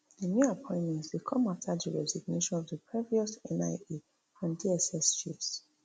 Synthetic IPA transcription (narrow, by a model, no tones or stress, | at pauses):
ðənjuapʰɔ̃ɪ̃ntmɛ̃ntsdekʰɔ̃maftʰaðəɹɛ̰ziɡneʃɔ̃nɔvðəpʰɹiviɔsɛ̃naɪe | ãndiɛsɛsʃis